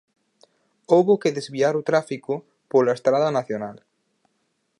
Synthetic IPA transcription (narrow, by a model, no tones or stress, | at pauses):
owβokeðezβiaɾʊt̪ɾafikʊ | polaest̪ɾaðɐnaθjonal